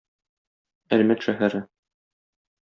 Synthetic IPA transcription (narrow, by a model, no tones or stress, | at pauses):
æɾmæt̪ʃæɦæɾɘ